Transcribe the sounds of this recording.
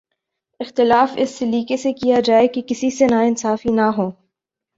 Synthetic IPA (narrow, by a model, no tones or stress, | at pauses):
ɪxt̪ɪlaːfɪ̰sːeliːkesekijad͡ʒaːekekɪsisenaɪnsaːfinaɦoː